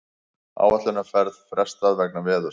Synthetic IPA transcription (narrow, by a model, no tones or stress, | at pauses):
a̰ːwat̪lʏnḁfɛɾðfɾɛ̥st̪aðvɛknavɛːðʏ